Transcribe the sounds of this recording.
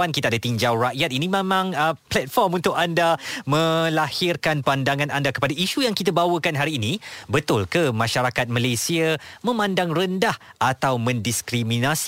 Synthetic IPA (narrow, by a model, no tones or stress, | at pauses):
ankit̪aadat̪iɲd͡ʒawraʔjat̪̚inĩmẽmãŋəplɛt̪̚fɔrmunt̪ʊkandamə̃lahɪrkanpandaŋãnandakə̥padaʔiʃujaŋkit̪̬abawəkanɦaɾiːnibət̪ʊlkəmãʃaɾakat̪̚malesiamə̃mãndaŋrəndahat̪awmə̃ndiskɾimĩnas